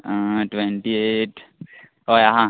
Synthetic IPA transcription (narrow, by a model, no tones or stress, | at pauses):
ʈʋeɳʈieʈ | ojaɦã